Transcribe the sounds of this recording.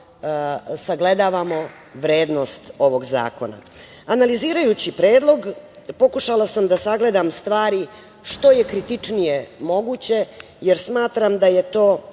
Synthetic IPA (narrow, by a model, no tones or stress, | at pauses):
saɡle̞d̪aʋamo̞ | ʋɾeːd̪no̞st̪o̞ʋo̞ɡza̰ːkona̰ | analiziːɾajut͡ɕipɾeːd̪lˠo̞ɡpo̞kuʃalasamd̪asaɡle̞d̪amst̪ʋaːɾi | ʂt̪o̞jekɾit̪it͡ʂnijemo̞ɡut͡ɕe̞ | jeɾsmaːt̪ɾamd̪aje̞t̪oː